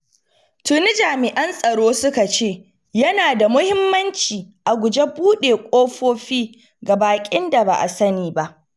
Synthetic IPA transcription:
tʊ˨nɪ˦d͡ʒaː˨mɪ˨ʔɐ˦nsʼɐ˨ɽoː˦sʊ˦ka˨t͡ʃeː˦˨ | jɐ˦naː˨da˨mʊ˦hɪ˦mːɐ˦nt͡ʃiː˨ʔa˨ɡʷʊ˨d͡ʒe˦buː˦ɗeː˨kʷʼoː˦ɸoː˦ɸiː˦ | ɡa˨baː˨kʲʼɪ˦nda˨ba̰˨ʔa̰˨sɐ˦niː˨ba˦ʔ

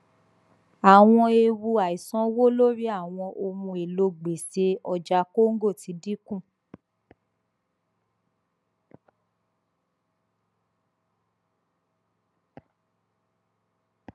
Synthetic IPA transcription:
a˨w̃ɔ̃˧e˧wu˧a˨i˨sɔ̃˨˦wo˦lo˦ɾi˦a˦˨w̃ɔ̃˧ʔo˧mũ˧e˨lo˧ɡ͡be˨se˧ɔ˧d͡ʒa˧ko˦ŋ̩˦ɡo˦˨ti˨˦di˦kũ˦˨

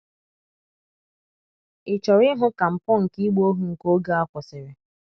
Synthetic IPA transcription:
ɪ˨t͡ʃɔ˨ɾɪ˦ɦʊ˦ka˨m̩˨pɔ˦ŋ̩˨ki˦ɡ͡bo˦ɦu˨ŋ̩˨ko˦ɡa˦a˦kʷɔ˨sɪ˨ɾɪ˨

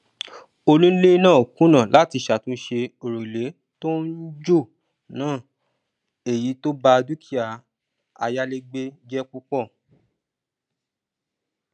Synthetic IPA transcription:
o˧lũ˦le˦nãː˦˨o˨kũ˦nã˦˨lʔa˨˦ti˧˨ʃa˨tũ˦ʃe˧o˨ɾo˨le˨˦ | to˦n̩˦d͡ʒo˦˨ | nãː˦˨ | e˨ji˨˦to˦ba˧du˦ki˦a˨ | a̰˧ja˦le˦ɡ͡be˦d͡ʒɛ˦ku˦k͡pɔ˦˨

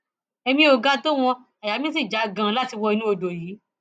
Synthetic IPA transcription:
ɛ˧mĩ˧o˨ɡa˧˦to˦w̃ɔ̃˧ | a˨ja˨˦mĩ˦s̬i˦˨d͡ʒa˨˦ɡã˨˧˦la˦ti˧wɔ˧i˧nũ˦o˧do˨jiː˨˦

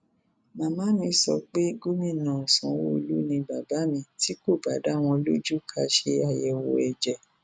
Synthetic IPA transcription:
mã˨mã˨˦mĩ˧sɔ̰˧k͡pe˦ɡu˦mĩ˦˨nã˨sɔ̃˨˦wo˦˧lu˦nĩ˧ba˨ba˨˦mĩ˧ti˦ko˦˨ba˨˦da˨˦˨w̃ɔ̃˧lo˦d͡ʒu˦kʰa˧ʃe˧a˨jɛ˧˨wo̰˨˧˨ɛ˨d͡ʒɛ˨

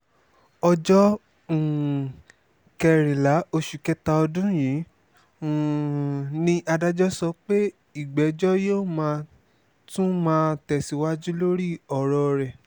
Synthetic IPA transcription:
ɔ˧d͡ʒɔ˦˨ | kɛ˧˨ɾ̃ĩ˨la˨˦o˧ʃu˨kɛ˦ta˧ɔ˧dũ˦jĩ˨˦˨ | nĩ˧ʔa˧da˦d͡ʒɔ˦sɔ˧k͡pe˦ | i˦˨ɡ͡bɛ˨˦d͡ʒɔ˦joː˦˨mãː˧ | tũ˦mãː˧˦tɛ˧˨si˧wa˦d͡ʒu˦lo˦ɾi˦˨ɔ˨ɾɔ˧ɾɛ˨

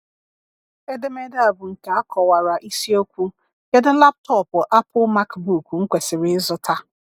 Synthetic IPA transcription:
e˦dɪ˦me˦da˦˨bʊ˨ŋ̩˨ka˨a˦kʰɔ˨wa˨ɾa˨ʔi˦si˦o˦kʷu˦ | ke˦dɪ˦la˦p̚tɔ˦˨pʊ˨ʔa˦pʰʊ˦ma˦kbu˨kŋ̩˦kʷe˨sɪ˨ɾɪ˦zʊ˦tʰa˦

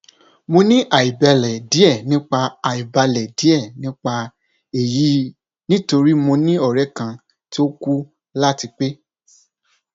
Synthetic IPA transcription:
mo˧nĩ˦ʔa˨i˨bɛ˧lɛ˨di˨˦ɛ˦˨nĩ˦k͡pa˧a˨i˨ba˧lɛ˨di˨˦ɛ˦˨nĩ˦k͡pa˧ | e˨ji˨˦ | nĩ˦to˧ɾi˦mo˧nĩ˦ɔ˦˨ɾɛ˨˦kã˧ | ti˦o˦ku˦ | la˦ti˧k͡pe˦

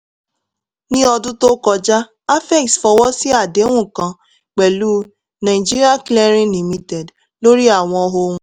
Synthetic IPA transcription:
nĩ˦ɔ˧dʊ˦to˦kɔ˨˧d͡ʒa˦ | a˦fɛ˦˨ksfɔ˨wɔ˦si˦a˨de˨˦ŋʷũ˦˨kã˨ | k͡pɛ˨lu˦ | na˨ɪ˨d͡ʒi˦ɾi˦a˦klɛ˦ɾĩ˦li˨mi˦tɛ˨d | lo˦ɾi˦a˦˨w̃ɔ˨ɔ˦ɦo˦ŋʷũ˦

